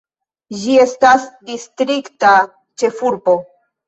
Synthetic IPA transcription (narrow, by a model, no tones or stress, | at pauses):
d͡ʒie̞stasdistɾikta | t͡ʃe̞fuɾbo̞